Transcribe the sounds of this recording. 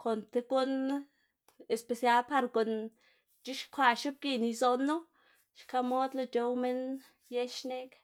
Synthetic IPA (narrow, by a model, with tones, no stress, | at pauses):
kʰo˨nt̪e˧ɡu˦n | e˨spe˧sja˧˦lpa˧ɾko˨n | t͡ʃi˦ʃkʷa˧˨ʃi˦b̚ɡi˧ni˧zo˧nːo˦ | ʃka˧mo˦d̪la˧t͡ʃo˧wme˦n | je˦ʃne˦k